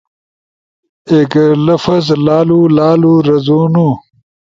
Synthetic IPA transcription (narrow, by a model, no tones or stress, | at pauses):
eːklɐfɐzlaːlulaːluɾɐzuːnu